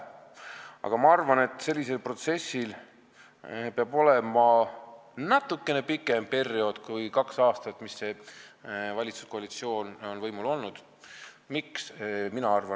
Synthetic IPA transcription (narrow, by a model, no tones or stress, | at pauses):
ɑ̰ɡ̥ɑmɑɑrvɑne̞t̪ːˑse̞lʲːise̞lpro̞t̪se̞sil | peɑbo̞le̞mɑ | nɑt̪ːˑukːe̞ne̞pikːˑe̞mpe̞rio̞d̪̥kujkɑksɑːst̪ɑt̪ːˑmisːe̞ | vɑlʲit̪su̥sko̞ɑlit̪sio̞ːno̞nvɤjmulo̞lnud̪̥ | miksminɑɑrvɑ